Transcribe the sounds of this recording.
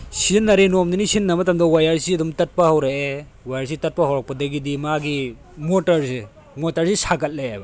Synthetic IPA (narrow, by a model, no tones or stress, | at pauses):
sinːɐɾenomninisinːɐmɐtɐmdɐwajaɾsiɐdumtɐt̚pɐhawɾaʔe | wajaɾs̬itɐt̚pɐhawɾak̚pɐdɐɡidimaɡi | motɐɾse | motɐɾsisaɡɐt̚leajbɐ